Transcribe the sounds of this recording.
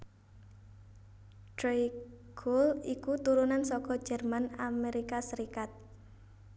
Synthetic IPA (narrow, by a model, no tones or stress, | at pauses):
ɖ̥ɾej | ɡʰolikut̪uɾunansɔkɔ̥ʒ̥ɛ̤rmanameɾikasəɾikat̪̚